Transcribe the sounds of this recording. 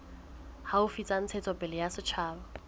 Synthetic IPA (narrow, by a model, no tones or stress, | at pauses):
haʊfit͡sʼan̩t͡sʰet͡sʼɔpʼɪlɪjasɪt͡ʃʰaːbɔ